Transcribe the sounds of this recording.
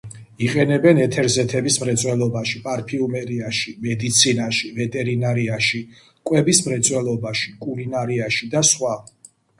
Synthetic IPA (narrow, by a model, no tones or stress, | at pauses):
iqʼɛnɛbɛnɛt̪ʰɛɾzɛt̪ʰɛbismɾɛt̪sʼwɛlˠɔbaʃipʼaɾpʰiumɛɾiaʃimɛd̪it̪sʰinaʃivɛt̪ʼɛɾinaɾiaʃi | kʼwɛbismɾɛt̪sʼwɛlˠɔbaʃi̥kʼulinaɾiaʃid̪asχwa